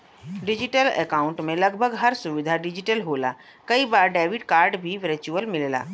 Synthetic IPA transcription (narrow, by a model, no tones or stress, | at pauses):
ɖɪd͡ʒɪʈəlɛ̰ːkaːʊ̃ɳʈmẽlɐɡbʱəɡɦɐɾsʊʋɪd̪ʱaɖɪd͡ʒɪʈəlɦoːla̰ | kɐibaːɾɖɛːʋɪɖkaːɾɖbʱiʋəɾt͡ʃuəlmɪlla̰ː